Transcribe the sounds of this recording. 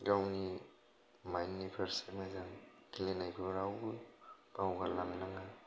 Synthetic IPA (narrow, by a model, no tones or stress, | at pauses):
ɡawni | majnːipʰeɾsemazaŋ | kilenajpʰɯɾawub̥awɡalaŋnaŋa